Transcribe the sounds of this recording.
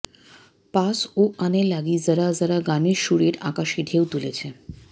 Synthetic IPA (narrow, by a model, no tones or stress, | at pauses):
pasoanelaɡiːd͡zəɾad͡zəɾaɡaniʃuɽeʈa̰kaʃiɖʱewt̪ulet͡ɕʰe